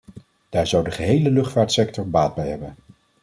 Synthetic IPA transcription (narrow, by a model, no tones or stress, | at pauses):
d̥aːɹzʌwdəχəɦejləlɵχtfaːɹtsɛktɔɹbaːd̚bɛjɦɛbən